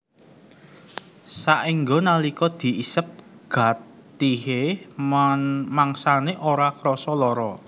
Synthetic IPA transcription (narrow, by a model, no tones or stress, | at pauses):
saʔiŋɡonalikɔd̪̥i̤isəp̚ɡ̥a̤t̪ | iɦemanmaŋsaneʔoɾakɾɔsɔlɔɾɔ